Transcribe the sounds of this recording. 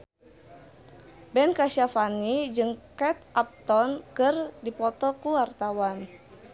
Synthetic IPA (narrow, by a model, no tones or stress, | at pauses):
bɛnkaʃafanid͡ʒɨŋkɛt̪̚ap̚t̪ɔnkɨrdipɔt̪ɔkuwart̪awan